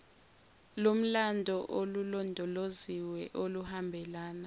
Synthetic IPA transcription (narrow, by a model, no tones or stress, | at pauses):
lom̩landʱɔʔolulɔndʱɔloziwɛʔoluhambʱɛlaːna